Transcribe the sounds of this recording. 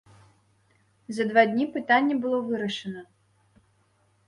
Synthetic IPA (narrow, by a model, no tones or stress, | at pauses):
zɐd̪vad̪ʲnʲipɨt̪anʲːɛbɨlˠɔvɨɾɐʂɐnɐ